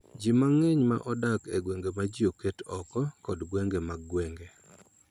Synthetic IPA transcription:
d͡ʒimaŋeɲma̰ʔɔdakeɡweŋɡemad͡ʒioketɔkɔkɔdɡweŋɡemaɡɡweŋɡe

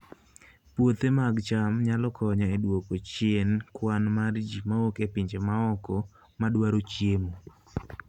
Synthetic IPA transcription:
pwot̪emaɡt͡ʃamɲalɔkʰɔɲɔedwokot͡ʃjenkwanmard͡ʒimaokepiɲd͡ʒemaɔkɔ | madwaɾot͡ʃjemo

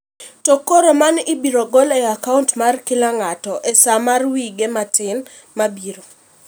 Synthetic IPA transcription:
tokoɾomanɪbiɾoɡɔlɛakauntmarkɪlaŋatɔʔesamarwiɡematɪn | mabiɾo

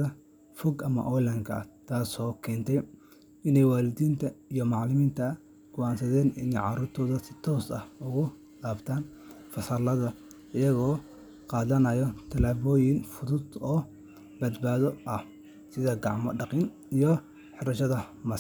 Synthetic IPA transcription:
ɐ | fɔɡɐmɐ̰ʔɔlɐŋkʰɐ̰t̪ʰaːsɔːkʰɛːnt̪ʰɛj | ɪnɛjwaːlɪd̪iːnt̪ʰɐijɔmɑʕlɪmiːnt̪ʰɐ | ɡ̥ʊʔaːnsɐðɛːnɪ̰nɛjʕɑ̰ɾuːrt̪ʰɔːðɐsɪ̥t̪ʰɔːsɐhʊɣʊ | laːbt̪ʰaːn | fɐsɐlɐðɐ | ɪjɐɣɔː | qɑːðɐnɐjɔt̪ʰɐlaːβɔːjɪnfʊðʊd̪ɔː | bɐd̪baːðɔʔɐh | sɪðɐɡɑʕmɔ̰ɖɑqiːn | ijɔ | ħɪɾɐʃɐðɐmɐ

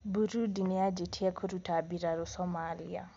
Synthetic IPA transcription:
buɾudinead͡ʒetʰiɛkʰoɾutʰabiɾaɾʊsɔmalḭa̰

